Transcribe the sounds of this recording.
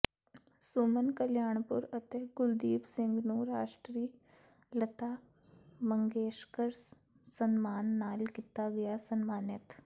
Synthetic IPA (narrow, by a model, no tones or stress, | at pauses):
suːmənkəljaːɳ̃pʊ̰ɾət̪eɡʊld̪iːbsɪ̃ŋɡnũːɾaːʃʈɾiː | lət̪aː | mə̃ŋɡeːʃkəɾs | sənmaːnːaːlkit̪aɡɐjasənmaːnɪt̪